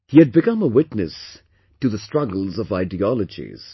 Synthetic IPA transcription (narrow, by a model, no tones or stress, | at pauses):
hiɨd̚bɨkʌ̃məwɪtnɨs | tɨðəstɹ̥ʌɡəl̩ˠzʌvaɪdiɑlˠəd͡ʒḭz̥